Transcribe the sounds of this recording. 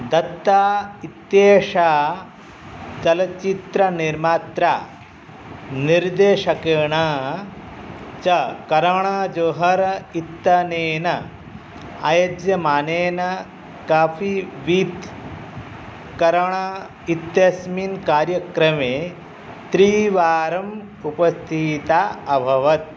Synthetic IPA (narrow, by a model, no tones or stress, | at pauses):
d̪ɐt̪ːaːit̪jeːʂa | t͡ʃɐlɐt͡ʃit̪ɾɐniɾmaːt̪ɾaː | niɾd̪eːʂɐkeːɳa | t͡ʃɐkɐɾɐɳad͡ʒoːɦɐɾit̪ːɐneːnɐ | a̰jod͡ʒjɐmaːneːnɐ | kaːfiʋit̪ | kɐɾɐɳa | it̪jɐsminkaːɾjɐkɾɐmeː | t̪ɾiːʋaːɾɐm | upɐst̪ʰit̪aɐbʱɐʋɐt̪̚